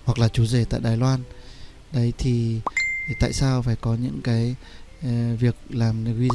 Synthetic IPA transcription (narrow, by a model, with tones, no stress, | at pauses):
hwa˨˩k̚laː˨˩t͡ɕu˨˦ze˧˩t̪a̰ː˧˨jɗaː˨˩jlwaː˧n | ɗə˨˦jt̪ʰi˨˩ | t̪a̰ː˧˨jsaː˧wfaː˧˩jkɔ˨˦ɲɨ̰˧˥ŋkaː˨˦j | vi˨˩ək̚laː˨˩m˨hwi˧